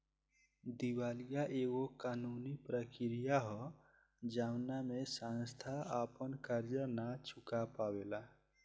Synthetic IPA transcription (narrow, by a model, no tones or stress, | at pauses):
d̪iwaːlijaʔeɣokanunipɾəkɪɾijaɦɔ | d͡ʒawnamesãnst̪ʰaapənkəɾjənat͡ʃʰukapawela